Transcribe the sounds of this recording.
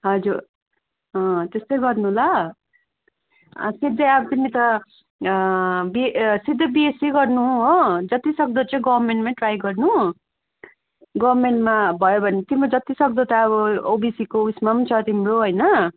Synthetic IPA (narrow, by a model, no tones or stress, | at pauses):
ɦʌd͡zur | ʌ̃t̪est̪ʌjɡʌrnuɦla | sid̪ʱːʌʌbt̪init̪ʌ | bisid̪ʱːʌbiesiɡʌrnuɦũɦod͡zʌt̪isʌk̚d̪ot͡saĩɡʌbʌrmeɳʈmãʈrajɡʌrnu | ɡʌbrmeɳʈmabʱʌjobʱʌnet̪imod͡zʌt̪isʌk̚d̪ot̪ʌːβʌobisikousmamnt͡sʰʌt̪imoɦojnʌ